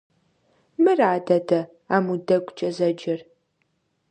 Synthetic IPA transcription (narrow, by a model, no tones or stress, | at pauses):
mɨraːdɐdʰɐ | a̰ːmudɐɡʷʼt͡ʃʼɐzɐd͡ʒɪr